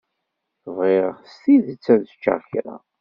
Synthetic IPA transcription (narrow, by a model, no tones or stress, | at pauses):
vʁeʁst̪iðət͡sːæðt͡ʃːə̰ʁçɾa̰